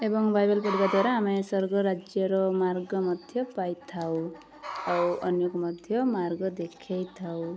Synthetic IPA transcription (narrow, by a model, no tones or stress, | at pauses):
ebɔŋbajbelpɔɽibad̪waɾaːmesɔɾɡɔɾad͡ʒjɔɾɔmaɾɡɔmʌd̪ʱjɔpajt̪ʰaw | awʌnjokɔmʌd̪ʱjʌmaɾɡɔd̪ekʰejt̪ʰaw